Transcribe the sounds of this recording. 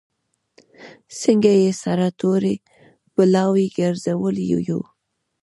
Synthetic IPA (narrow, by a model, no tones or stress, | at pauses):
siŋɡajesaɾat̪oɾe | pəlɑwiɡaɾzawəljṵjṵ